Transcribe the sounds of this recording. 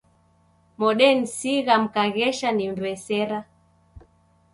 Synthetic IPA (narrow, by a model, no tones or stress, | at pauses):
mɔɗɛn̩siɣam̩kaɣɛʃanim̩bɛsɛɾa